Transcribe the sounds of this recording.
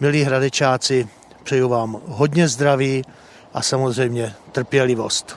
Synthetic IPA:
mɪliːɦɾadɛt͡ʃaːt͡sɪ | pr̥ɛjuvaːmɦod̪ɲɛzd̪ɾaviː | ʔasamozrɛjmɲɛt̪r̩pjɛlɪvo̞st̪

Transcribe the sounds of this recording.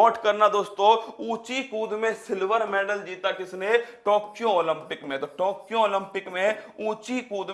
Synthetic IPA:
ɔːʈkəɾnad̪oːst̪õuːt͡ʃikuːd̪mẽsɪlʋəɾmɛ̃ːɖəld͡ʒiːt̪akɪsneʈɔːkjooːlɪ̃mpɪkmẽt̪oʈɔːkjõoːlɪ̃mpɪkmẽuːt͡ʃikuːd̪

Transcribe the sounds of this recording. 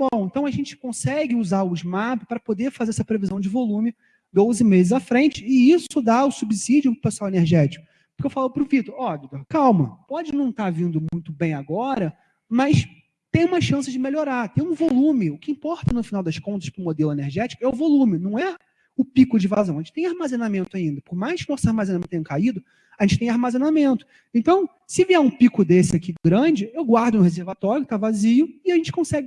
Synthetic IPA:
bõẽnt̪ɐ̃w̃ɐʒẽnt͡ʃɪ̥kõsɛɡɪuzaɾʊɪzmapʊpaɾɐpod̪eɾfazeɾɛsɐpɾevizɐ̃w̃d͡ʒɪvolũmɪ | d̪ozɪmezɪzafɾẽnt͡ʃɪɪisʊd̪aʊsubisid͡ʒʊpɾʊpesuaweneɾʒɛt͡ʃi̥kʊ | pʊ̥keewfalʊpɾʊvit̪oɾɔɡit̪oɾkawmɐpɔd͡ʒɪnɐ̃w̃t̪aɾvĩnd̪ʊmũj̃t̪ʊbẽj̃aɡɔɾɐ | mɐs | t̪ẽj̃ũmɐʃɐ̃sɪzd͡ʒɪmeloɾaɾt̪ẽj̃ũvolũmɪʊkɪĩpɔɾt̪ɐnʊfinawd̪ɐskõnt̪ɐʃpɾʊ̃mod̪elʊeneɾʒɛt͡ʃɪ̥kʊɛʊvolũmɪnɐ̃w̃ɛ | ʊpikʊd͡ʒɪvazɐ̃w̃ɐʒẽt͡ʃɪt̪ẽj̃aɾmazenamẽnt̪ʊaĩnd̪ɐpʊmajʃknosaɾmazẽnanẽt̪ẽkaid̪ʊ | aʒẽnt͡ʃɪ̥t̪ẽaɾmazenamẽnt̪ʊ̥ | ẽnt̪ɐ̃w̃ | sɪviaɾũpikʊd̪esɪakiɡɾɐ̃d͡ʒɪewɡwaɾd̪ʊnʊhezeɾvat̪ɔɾjʊkɪ̥t̪avaziʊɪaʒẽnt͡ʃɪ̥kõsɛɡɪ

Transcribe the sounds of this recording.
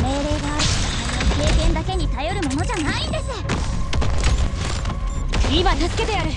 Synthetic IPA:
me̞ːɾe̞ːɡaːɾt̪kaoke̞ːkẽ̞nd̪ake̞ɲ̟it̪ajo̞ɾɯ̟mo̞no̞ʑanaĩnd̪e̞sɨ | kɯɾʲiβat̪asɨ̥ke̞t̪ejaɾɯ̟

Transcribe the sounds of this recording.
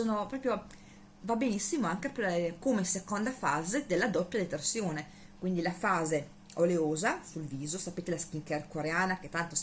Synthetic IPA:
soːnopɾɔːpɾjo | vabenisːimoaŋkepɔpɾkomesekond̪afaːzed̪elːad̪ɔpːjad̪et̪ersjoːne | kwind̪ilafaːze | oleoːzasulviːzosapeːt̪elask̟iŋkɛrkoɾeaːnaket̪ːant̪o

